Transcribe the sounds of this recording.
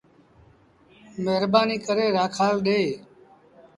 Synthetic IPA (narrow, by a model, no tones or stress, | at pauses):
meːɾbaːniːkəɾeːɾaːkʰaːlɗeː